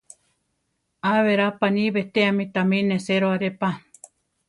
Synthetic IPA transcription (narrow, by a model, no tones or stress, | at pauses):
aβeɾapaniβet̪eamĩt̪amĩneseɾoaɾepa